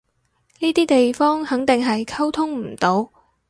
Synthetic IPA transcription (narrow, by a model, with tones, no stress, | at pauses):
niː˥t̪iː˥t̪e˨jfɔː˥ŋhɐ˨˥ŋt̪ɪ˨ŋɦɐ˨jkʰɐ˥wt̪ʰʊ˥ŋm̩˨˩t̪o˨˥w